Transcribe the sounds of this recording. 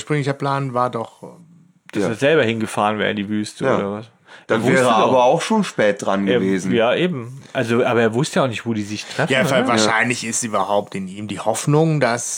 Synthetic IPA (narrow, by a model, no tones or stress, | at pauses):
ʃpʁ̥ʏŋlɪçɐpl̥aːnvaːɐdɔχ | d̥aseːɐzɛlbɐhɪnɡəfaːʁənvɛ̰ːʁɪdiːvyːstəoːɾɐvas | d̥anvʊvɛːʁəəaːbɐaʊxʃoːnʃpɛːt̚d̥ʁanɡeːɐveːz̩jaːʔeːbm̩ʔalzoʔaːbɐeːɐvʊstəjaʊχnɪçtv̥oːdiːzɪçtʁʁ̥ɛfjaːfavaːɐʃaɪnlɪçɪstyːbɐhaʊp̚tɪniːmdiːhɔfnʊŋdas